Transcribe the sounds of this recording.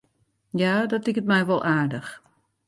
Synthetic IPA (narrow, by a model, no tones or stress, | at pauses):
jaːdɔtɪkətmɛjʋɔlˠʔaːɹdəx